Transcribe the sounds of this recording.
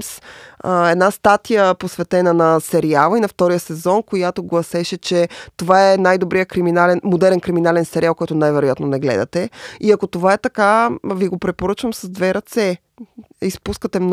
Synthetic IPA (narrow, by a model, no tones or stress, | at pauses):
s | ɛd̪nast̪at̪ijəposvɛt̪ɛnənɐsɛɾialˠəinɐft̪ɔɾijəsɛzɔnkojat̪oɡlˠɐsɛʃɛt͡ʃɛt̪ovaɛnajd̪obɾijəkɾiminalɛnmod̪ɛɾɛnkɾiminalɛnsɛɾialˠkɔjt̪ʊnajvɛɾojat̪nonɛɡlɛ̰d̪ɐ̰t̪ɛiɐkot̪ovaɛt̪ɐkaviɡopɾɛpoɾɤt͡ʃvɐmsɐzd̪vɛɾɐt̪sɛ | ispuskət̪ɛmn